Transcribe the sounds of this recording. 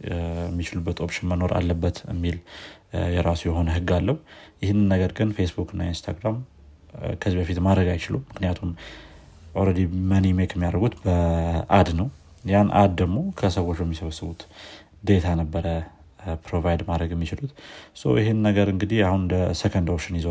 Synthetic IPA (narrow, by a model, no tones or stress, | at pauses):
jɛmːit͡ʃɪlubːət̪o̞pʃɪnməno̞ɾa̰lːəbːət̪ɨ̰mːil | jɛɾasujɛɦo̞nəɦɨɡalːəhujɪhɨnːɨnːəɡəɾɡɨnfe̞sbukɨnːa̰inst̪ʰa̰ɡɾam | kʰəzibəfit̪mad̪ɾəɡajt͡ʃɪlumɨknijat̪ʰum | ʔoɾəd̪imənimekʰəmːijaɾɾəɡut̪bəʔad̪nəw | janʔa̰d̪̚d̪əɡmo̞kʰəsəwot͡ʃːjɛmːisəβəsːɨβut̪ | d̪e̞t̪ʰanəbːəɾə | pɾo̞vajd̪mad̪ɾəɡjɛmːit͡ʃɪlut̪sə̰wjɪɦennːəɡəɾɨŋɡɨd̪iahund̪əsəkʰənd̪awot͡ʃːɪnjɪz